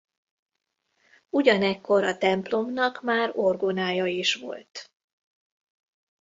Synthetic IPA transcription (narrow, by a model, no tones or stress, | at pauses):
uɟɒnɛkːo̞ɾɒt̪ɛmplo̞mnɒkmaːɾorɡonaːjɒiʃʋo̞̰lt̪